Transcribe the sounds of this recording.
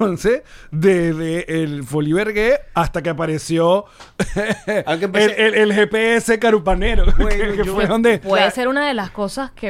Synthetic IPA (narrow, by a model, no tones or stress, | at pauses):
onsesd̪ezðeʔːlfoliβeɾɣeast̪akeap̬aɾe̞sjo̞ | kepeeelxepeese̞kaɾupane̞ɾokefweðond̪epweðese̞ɾunaðe̞lasko̞saske